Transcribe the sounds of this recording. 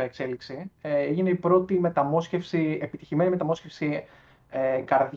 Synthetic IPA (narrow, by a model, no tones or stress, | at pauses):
eekseliksieʝineipɾo̞t̪ime̞t̪ɐmo̞sce̞fsiepit̪içime̞nime̞t̪ɐmo̞scefsi | ekɐɾð